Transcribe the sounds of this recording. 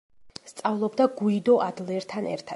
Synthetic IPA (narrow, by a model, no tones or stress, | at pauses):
st̪sʼavlˠɔbd̪aɡuid̪ɔʔad̪lˠɛɾt̪ʰanɛ̰ɾt̪ʰa